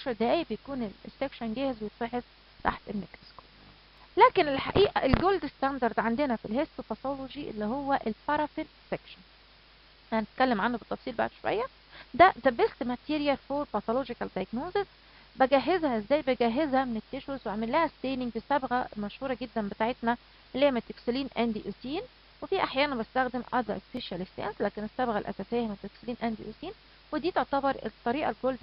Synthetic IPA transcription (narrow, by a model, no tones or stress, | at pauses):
kʃɑɾd̪æːjibejækuːnelesːekʃænɡæːhezwejet̪ˤːeħes | t̪a̰ħt̪emːeksko̥ | læːkenelħa̰ʔiːʔæ̰ʔelɡold̪est̪ænd̪ɑɾˤd̪ʕand̪enæfilɦesopæt̪oloʒiʔelːihowːæʔelfɑɾˤɑfin | sekʃæn | ʔænænet̪̚kælːemʕanːubet̪ˤːɑfsˤiːlba̰ʕd̪ʃowæ̰jːæ | d̪æzæbest̪mæt̪iːɾjælfoːɾpæt̪olod͡ʒikæld̪ɑjæɡnoːzes | bæɡæɦːezhæʔezːæːjbeɡæːɦezhæmenet̪ːeʃwesweʕmelːæːhæst̪eːnɪŋɡbesæbɣæmæʃhuːɾˤɑɡed̪ːænbet̪aːʕet̪næ | ʔlːeːmet̪ːeksoliːnʔænd̪iʔosiːn | wefiːʔaħjæːnænbest̪æxd̪emʔɑ̰d̪ˤɑ̰ʔespeʃælest̪æ̰nslæːkenesːæbɣælʔæ̰sæsejhæmet̪ːeksliːnʔænd̪ḭʔo̰ːsiːn | wed̪iːt̪eʕt̪æbɑɾˤḛt̪ˤːɑɾiːʔɑlɡold̪